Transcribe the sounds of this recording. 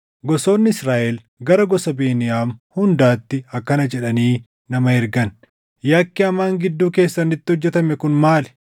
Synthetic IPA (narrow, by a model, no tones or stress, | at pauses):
ɡɔso̞ːnːɪsɾaːʔɛl | ɡɐɾɐɡɔsɐbeːnɪjaːmhʊnd̪aːt̪ːɪɐkːɐnɐd͡ʒɛᶑɐniː | nɐmɐɛɾɡɐn | jɐkːɪɐmaːŋɡɪd̪ːuːke̞ːsːɐnːɪt̪ːɪhɔd͡ʒːɛt̪ɐmɛkʊnmaːlɛ̥